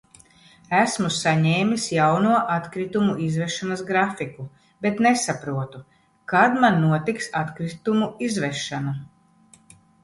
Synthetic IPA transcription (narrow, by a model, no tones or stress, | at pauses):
æsmusaɲeːmʲisjawnuɔʔat̪kɾit̪umuizvɛʃanasɡɾafiku | bet̪nesapɾuɔt̪u | kad̪manːuɔt̪iksat̪kɾit̪umuizvɛʃana